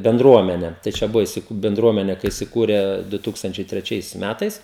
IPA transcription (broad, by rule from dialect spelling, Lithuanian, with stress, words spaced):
bʲɛnˈdruɔmʲɛnʲɛ tɐɪ ˈt͡ʃʲɛ ˈbʊʋoː ɪsʲɪˈkʊ bʲɛnˈdruɔmʲɛnʲɛ kɐɪ ɪsʲɪˈkuːrʲɛ dʊ ˈtuːkstɐnʲt͡ʃʲɛɪ tʲrʲɛˈt͡ʃʲɛɪs ˈmʲætɐɪs